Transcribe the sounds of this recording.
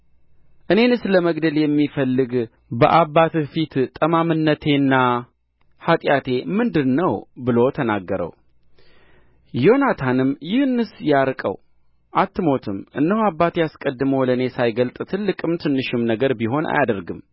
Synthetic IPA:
ʔɨne̞nɨsləməɡd̪əljɛmːifəlːɨɡ | bəʔabat̪fit̪t̪ʼːəmamɨnːət̪ʰe̞nːa | hat̪ʼjat̪ʰe̞mɨnd̪ɨnːəwbɨlo̞t̪ʰənaɡːəɾə̰w | jo̞nat̪ʰanɨmjɪhnɨsjaɾkʼə̰w | ʔat̪ʰːɨmo̞t̪ʰɨmʔɨnːəhabːat̪jaskʼəd̪ːɨməwləne̞sajɡəlt̪ʼɨt̪ʰɨlːɨkʼɨmt̪ʰɨnːɨʃɪmnəɡəɾbiɦo̞na̰jad̪əɾɡɨm

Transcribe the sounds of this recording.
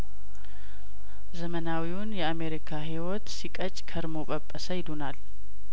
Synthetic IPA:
zəmənawiwʊnjɛame̞ɾikʰaɦiwɔt̪sikʼət͡ʃʼːkʰəɾmo̞ɓʼəpʼːəsəjɪd̪onal

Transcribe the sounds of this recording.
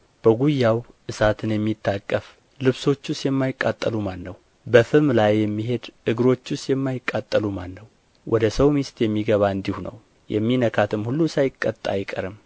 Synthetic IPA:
b̥əɡujːawʔɨsat̪ʰɨnjɛmːit̪ʰːakʼːəf | lɨβso̞t͡ʃːusjɛmːajɪkʼːat̪ʼːəlumanːəw | bəfɨmlajːɛmːiɦe̞d̪ʔɨɡɨɾo̞t͡ʃːusjɛmːajɪkʼːat̪ʼːəlumanːəw | wʔɔd̪əsəwmist̪jɛmːiɡəβaɨnd̪ihunə̰w | jɛ̰mːinəkʰat̪ʰɨmhulːusajɪkʼːət̪ʼːa̰jɪkʼə̰ɾɨm

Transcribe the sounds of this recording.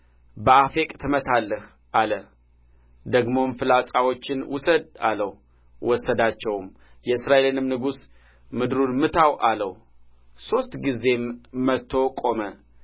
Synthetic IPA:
bəafekʼt̪ʰɨmət̪ʰalːəh | ʔalə | d̪əɡmo̞mfɨlasʼawo̞t͡ʃːɪnwʊsəd̪a̰ləw | wʔɔsəd̪at͡ʃːɛwm | jɛɨsɾaʔe̞lɨnɨmnɨɡus | mɨd̪ɾunmɨt̪ʰawʔaləw | so̞st̪ɡizːe̞mmət̪ʰːo̞kʼo̞mə

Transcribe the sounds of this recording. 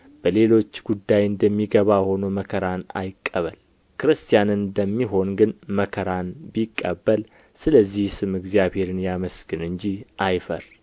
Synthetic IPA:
b̥əle̞lo̞t͡ʃːɡ̥ud̪ːajɨnd̪əmːiɡəβaho̞noməkʰəɾana̰jɪkʼːəβəl | kʰɨɾɨst̪ʰijanɨnd̪əmːiɦo̞nɡɨnməkʰəɾanbikʼːəbːəl | sɨləzːihsɨmɨɡzjaβhe̞ɾɨnjaməsɡ̥ɨnɨɲd͡ʒihʔajfəɾ

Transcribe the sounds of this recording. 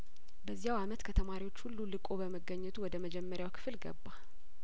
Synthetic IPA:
bəzːijawamət̪kʰət̪ʰəmaɾiwot͡ʃːhulːulɨkʼo̞bəməɡəɲːɛt̪ʰuwɔd̪əməd͡ʒɛmːəɾjawkʰɨ̥fɨlɡə̰bːal

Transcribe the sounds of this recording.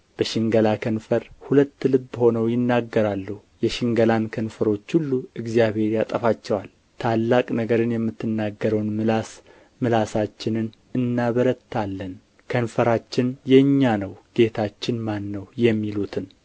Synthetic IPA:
b̥əʃɪŋɡəlakʰənfəɾhulət̪ːlɨbːho̞nəwjɪnːaɡːəɾalːuh | jɛʃɪŋɡəlankʰənfəɾo̞t͡ʃːhulːuɨɡzjaβhe̞ɾjat̪ʼəfat͡ʃːɛwal | t̪ʰalːakʼnəɡəɾɨnjɛmːɨt̪ʰːɨnːaɡːəɾəwnmɨlas | mɨlasat͡ʃːɪnɨn | ɨnːaβəɾət̪ʰːalːən | kʰənfəɾat͡ʃːɪnjɛɨɲːanəwɡ̥e̞t̪ʰat͡ʃːɪnmanːəwjɛmːilut̪ʰɨn

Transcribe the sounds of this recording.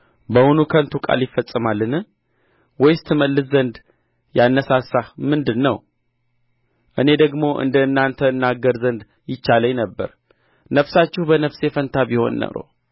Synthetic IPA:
bəhunukʰənt̪ʰukʼa̰ljɪfːəsʼːɨmalːɨnɨ | wɔjst̪ʰɨməlːɨszənd̪ | janːəsasahmɨnd̪ɨnːəw | ʔɨne̞d̪əɡmo̞ʔɨ̰nd̪ənːant̪ʰəɨnːaɡəɾzənd̪ | jɪt͡ʃːaləɲnəbːə̰ɾ | nəfsat͡ʃːɪhbənəfsefənt̪ʰabiho̰nːə̰ɾo̰

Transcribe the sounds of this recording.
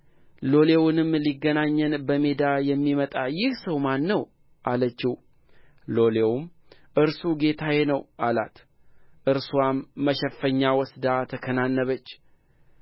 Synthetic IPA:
lo̞lewnɨmliɡːənaɲːɨnbəme̞d̪ajɛmːimət̪ʼajɪhsəwmanːəw | ʔalət͡ʃːɪw | lo̞le̞wm | ʔɨɾsuɡe̞t̪ʰajenəwʔala̰t̪ | ʔɨɾswamːəʃɛfːəɲːawɔsd̪at̪ʰəkʰənanːəβət͡ʃː

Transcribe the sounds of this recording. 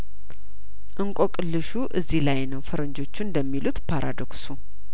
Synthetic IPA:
ʔɨŋkʼokʼɨlːɨʃuʔɨzːilajnəwfəɾɨɲd͡ʒo̞t͡ʃːund̪əmːilut̪pʰaɾʔa̰d̪o̞ksu

